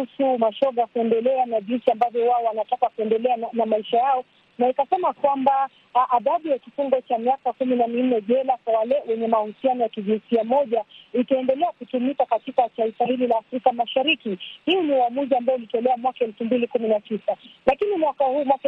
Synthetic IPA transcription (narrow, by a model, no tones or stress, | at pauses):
usumaʃɔɠakuɛndɛlɛanaʄinsiambavjɔwaɔwanatakakuɛndɛlɛanamaiʃajaɔ | naikasɛmakwamba | ʔaðaɓujakifuŋɡɔt͡ʃamiakakuminamin̩nːɛʄɛlakwawalɛwɛɲɛmahusianɔjakiʄinsiamɔʄaitaɛndɛlɛakutumikakatikataifahililaːfɾikamaʃaɾikihiɔniwamuʄaːmbaɔlitɔlɛamwakaɛlfumbilikuminatisalakinimwakahuːmwak